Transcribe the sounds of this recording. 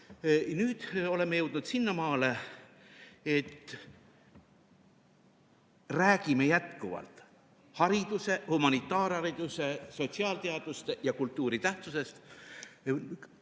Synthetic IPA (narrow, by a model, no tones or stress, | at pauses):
nyːd̪̥o̞le̞mːejɤwd̪̥nud̪sinːɑmɑːle̞ | et̪ː | ræːkimejæt̪kuvɑ̰lt̪ˑ | hɑɾid̪use̞humɑnit̪ˑːɑːɾhɑɾid̪̥use̞so̞t̪siɑːlt̪eɑd̪̥ust̪ejɑkult̪ːˑuːɾit̪æht̪suse̞st̪